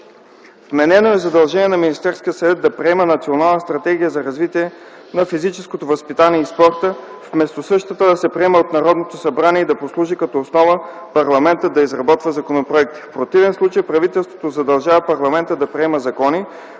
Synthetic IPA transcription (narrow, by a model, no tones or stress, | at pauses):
t̪mɛnɛnoɛzɐd̪ɐlˠʒɛniɛnɐminist̪ɛɾskijəsɐvɛt̪̚d̪ɐpɾɛɛmənɐt̪sionalˠnəst̪ɾɐt̪ɛɡʲijəzɐɾɐzvit̪iɛ | nɐfizit͡ʃɛskot̪ovɐspit̪aniɛispɔɾt̪əfmɛst̪osɤʃt̪ət̪əd̪ɐsɛpɾɛɛməot̪nɐɾɔd̪not̪osɐbɾaniɛid̪ɐposlˠuʒikɐt̪ɔːsnɔvə | pɐɾlˠɐmɛnt̪əd̪ɐizɾɐbɔt̪vəzɐkonopɾoɛk̚t̪i̥fpɾot̪ivɛnslˠut͡ʃəjpɾɐvit̪ɛlˠst̪vo̥t̪ozɐd̪ɐlˠʒavɐpɐɾlˠɐmɛnt̪əd̪ɐpɾɛɛməzɐkɔni